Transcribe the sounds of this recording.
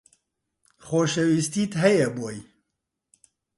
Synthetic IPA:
xoːʃɛwist̪iːt̪ɦɛjɛboːj

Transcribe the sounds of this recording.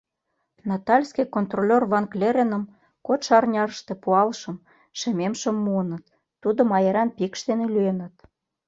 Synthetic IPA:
nɑt̪ɑlʲskijkont̪rolʲorβɑŋklʲeɾenə̆m | kot̪ʃɑrnʲɑɾəʃt̪e̽puɑlʃə̆m | ʃememʃə̆mːuənə̆t̪ː | ud̪omɑjeɾɑnpikʃt̪enelyenə̆t̪̚

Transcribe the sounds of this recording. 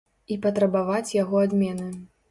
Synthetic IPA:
ipɐt̪ɾɐbavat͡sʲjaɣɔad̪mʲɛnɨ

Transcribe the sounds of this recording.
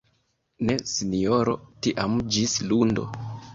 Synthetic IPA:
ne̞sinioɾo̞̰tiʔamd͡ʒislundo̞̰

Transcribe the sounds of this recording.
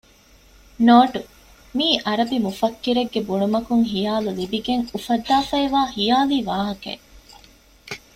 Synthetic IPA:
noːʈu | miːʔɐɾɐbimufɐkːiɾeɡːebuɳumɐkuŋɦijaːlulibiɡeŋufɐd̪ːaːfɐeʋaːxijaːliːʋaːɦɐkɐ̰

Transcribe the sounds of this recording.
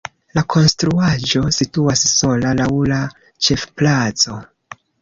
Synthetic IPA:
lakʰo̞nstɾuaʒo̞situasso̞lalawla | t͡ʃe̞fplat͡so̞

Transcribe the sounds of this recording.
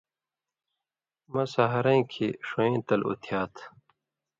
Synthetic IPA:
mɐ̃sɐɦɐɾɐ̃kʰeʂoẽːt̪ɐlṵt̪ʰjaːt̪ʰ

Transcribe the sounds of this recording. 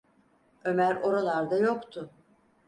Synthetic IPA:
ø̞mæɾo̞ɾalˠaɾd̪ajo̞kt̪ʰʊ

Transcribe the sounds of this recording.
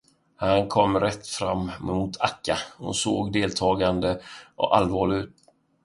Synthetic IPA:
hankʰɔmːɾɛt̪ːfɾamːmʊt̪ʰakːahʊ̰nso̰ːɡd̪eːlt̪ʰɑːɡand̪əʔɔ̰ʔalvɑːɭɪɡʉ̟ːt̪̚

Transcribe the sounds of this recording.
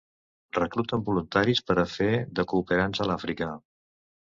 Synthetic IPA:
rəkɾut̪əmbulunt̪aɾispəɾəfeðəkuːpəɾansəlafɾikə

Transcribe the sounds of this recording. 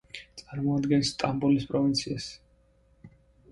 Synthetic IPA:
t̪sʼaɾmɔad̪ɡɛnst̪ʼambulispʼɾɔvint̪sʰias

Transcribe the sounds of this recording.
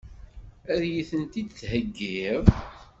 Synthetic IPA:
æðjiθənt̪id̪θhəɡːiv

